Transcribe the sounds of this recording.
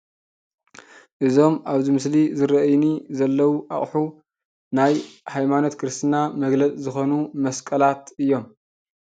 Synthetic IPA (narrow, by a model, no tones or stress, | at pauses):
ʔɨzo̞mʔaβzimɨslizɨɾɐʔjnizɐlːɐwuʔaχʼħu | najhajmano̞t̪kʰɨɾɨst̪ʰɨnamɐɡlɐt͡sʼzɨxo̞numɐskʼɐlat̪ʔɨjːo̞m